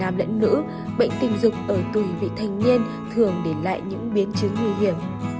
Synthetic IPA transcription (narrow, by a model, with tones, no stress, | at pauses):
aː˨˩mlə̰˧˥nːɨ̰˧˥ | ɓə̰˧˨jŋ̟t̪ï˨˩ŋ̟zʊ˨˩k͡p̚ʔəː˧˩t̪u˧˩vḭ˧˨t̪ʰa˨˩jŋ̟ɲi˧ən | t̪ʰɨ˨˩əŋɗe˧˩la̰ː˧˨jɲɨ̰˧˥ŋɓi˨˦ənt͡ɕɨ˨˦ŋːɨ˧˩əjɦi˧˩əm